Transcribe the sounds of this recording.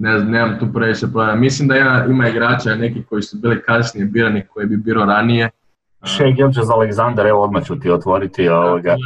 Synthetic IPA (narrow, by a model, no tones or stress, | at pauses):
nezamneːmamt̪uːpɾeʋit͡ʃepɾoamislimd̪aimaimaiɡɾaːt͡ʃaine̞kiko̞jisubiːlikasnijebiːɾanikojebibiːɾoɾanije̞ | ʃekjolt͡ʃezaleɡzand̪aɾeʋood̪mat͡ɕut̪iot̪ʋoɾit̪ioʋoɡa